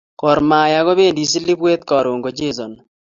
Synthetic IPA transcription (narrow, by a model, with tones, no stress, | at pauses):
kɔ˨ɾma˨ja˨ɣɔ˦beː˦˨ndi˨s̬i˦li˦bweː˦t̪̚kɔ˨ɾoː˨ŋɡo˨d͡ʒe˦˨zɔ˨n